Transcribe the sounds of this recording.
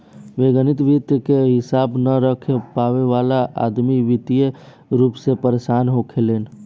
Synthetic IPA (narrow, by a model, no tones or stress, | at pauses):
ʋeɡənit̪ʋit̪jəkeɦɪsaːbnəɾəkʰepaʋeʋalaʔa̰d̪miʋit̪ije | ɾuːpsepəɾesanɦokʰeleːn